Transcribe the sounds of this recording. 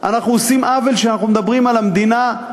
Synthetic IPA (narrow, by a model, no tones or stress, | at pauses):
a̰naχnuosimʔavelʃeanaχnumed̪abʁimalamd̪ina